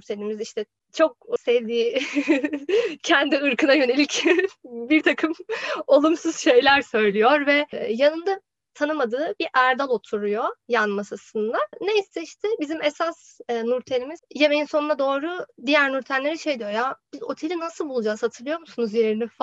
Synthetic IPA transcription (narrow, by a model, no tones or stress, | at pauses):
nɾt̪ʰe̞lʲimiziʃt̪ʰɛ | t͡ʃʰo̞k̚sɛvd̪iː | cʰɛnd̪iɯɾkɯnajø̞ne̞lʲic | biɾt̪ʰakʰɯmo̞lˠumsuz̥ʃe̞jlʲæɾsø̞jlʲijoɾvɛjanɯnd̪a | t̪ʰanɯmad̪ɯːbiɾʔæɾd̪alˠo̞t̪ʰuɾujojanmasasɯnd̪aneisɛiʃt̪ʰɛbizimesas | nuɾt̪ʰelʲimizje̞me̞jinsonunad̪o̞ːɾud̪ijæɾnuɾt̪ʰænlʲe̞ɾɛʃe̞jd̪ijojab̥izo̞̰t̪ʰe̞lʲinasɯlˠbulˠud͡ʒaːshat̪ʰɯlˠɯjo̞ɾmusunuzje̞ɾinif